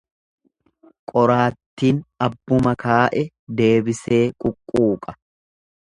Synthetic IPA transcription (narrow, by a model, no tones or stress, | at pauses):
kʼɔɾaːt̪ːiːnɐbːʊmɐkaːʔɛ | d̪e̞ːbɪse̞ːkʼʊkʼːuːkʼɐ̥